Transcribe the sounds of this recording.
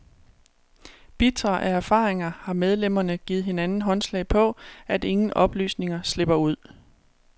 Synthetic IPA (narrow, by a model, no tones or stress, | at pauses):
b̥it͡sʰɐʔææɐfɑ̈ːʁeŋɐhɑ̈með̞ˠlem̰ɐnəɡ̥iːð̩ˠɦe̝nænn̩ɦɒ̽nslɛ̰ɪpʰɒ̽ʔæde̝ŋn̩ʔɒ̽b̥ly̰ːsne̝ŋɐsle̝b̥ɐuð̞̰ˠ